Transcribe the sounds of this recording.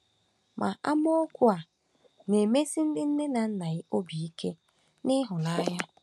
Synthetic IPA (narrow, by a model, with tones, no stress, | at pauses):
mʔa̰˨ʔa˦m˦o˦kʷʊ˦a˨ | ne˨me˦si˦n̩˦dɪ˦n̩˦nɪ˦na˨n̩˦na˨ɣɪ˦o˦bi˨i˦kʰe˦ | nɪ˦ɦʊ˨la˦ja˦